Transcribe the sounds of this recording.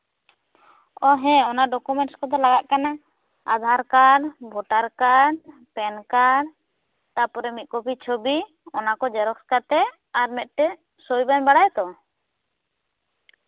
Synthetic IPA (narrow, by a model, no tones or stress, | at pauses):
ɔɦɛ̃ɔnaɖɔkumɛɳʈskɔd̪ɔlaɡaʔkana | a̰d̪ʱaɾkaɾbʱɔʈaɾkaɾpɛnkaɾ | t̪apɔɾɛmit̪̚ˀkɔbit͡ʃʰobi | ɔnakɔd͡ʒɛɾɔkskat̪ɛ | aɾmɛt̪̚ˀʈɛ | sojbanbaɽajt̪ɔ